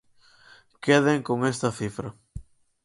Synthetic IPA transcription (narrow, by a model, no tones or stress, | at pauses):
keðeŋkoŋest̪ɐθifɾɐ